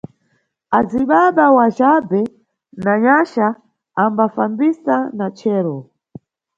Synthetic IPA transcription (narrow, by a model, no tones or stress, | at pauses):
aziɓaɓawaʒabɛ | naɲaʃaː | mbafambisanat͡ʃʰɛːɾɔ